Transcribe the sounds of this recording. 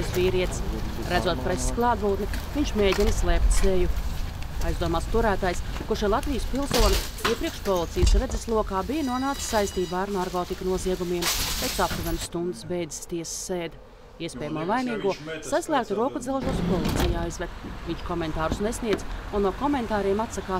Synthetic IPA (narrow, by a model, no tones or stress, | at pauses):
sviːɾiɛt̪s | ɾæd̪zuɔt̪̚pɾesi̥sklˠɑːd̪vuːt̪nivʲiɲʲt͡ʃmeːɟʲinslˠɛːp̚t̪ʲseju | ajzd̪uɔmaːst̪uɾæːt̪ajskuʃɛlˠat̪vijəspilˠsuɔni | iɛpɾiɛkʃpɔlˠit̪sijəsɾed̪zeslˠuɔkaːbijnuɔnaːk̪sajst̪iːbaːaɾnaɾkɔːt̪ikɐnuɔziɛɡumiɛmt̪ejksap̚t̪uɾɛnsːt̪und̪ɨsbɛjd̪i̥st̪iɛsə̥sːeːd̪ | iɛspʲɛːjamuɔvajniːɡuɔsaslˠæːkt̪uɾuɔkud̪zɛlˠʒuɔspɔlˠit̪sijaːajzvɛt̪viɲt͡ʃkɔmɛnt̪aːɾusnɛsʲniɛd̪zunːuɔkɔment̪aːɾiɛmat̪sakaː